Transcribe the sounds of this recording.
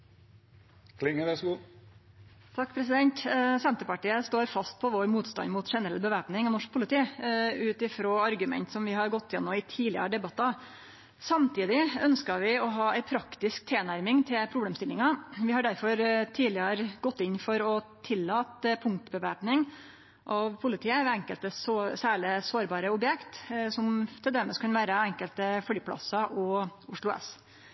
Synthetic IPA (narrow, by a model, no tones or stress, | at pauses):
kʰlɪŋːəɾɛsɡu | t̪ʰɑkːpʰɾɛs̬ɪd̪ɛnt̪sɛnt̪əpɑʈiːəst̪oːɾfɑst̪̚pʰɔʋɔɾmuːt̪st̪ɑ̰nmʊt̪ʂɛnəɾɛlːbəʋæːpnɪŋɔnɔʂk̚pʰʊlɪt̪ʰiːʉːt̪ɪfɾoːɑɾɡʉmɛ̰nt̪sɔmʋɪhɑɾɡɔt̪ːɪjɛ̰nːʊmɪt̪ʰiːlɪə̰ɾəɖ̪ɛbɑt̪ːɑ | sɑmt̪ʰiːd̪ɪœnskəʋɪɔɦɑːæɪpʰɾɑkt̪ɪsk̚t̪ʰeːnæɾmɪŋt̪ʰɪpʰɾʊbleːmst̪ɪlːɪŋɑʋɪhɑɖæɾfɔɾt̪ʰiːlɪəɾɡɔt̪ːɪnfɔɾɔt̪ʰɪlːɑːt̪pʰʊŋk̚t̪bəʋæɾpnɪŋ | ʔɑʋpʰʊlɪt̪ʰiːəɛŋkəlt̪əsosæːɭɪsoːɾbɑːɾəʊbjɛkt̪sɔmt̪ʰɪld̪eːməskʰɑnʋæːɾəɛŋkəlt̪əfɽyːpʰlɑ̰sɑʔɔʊʂɭʊɛ̰s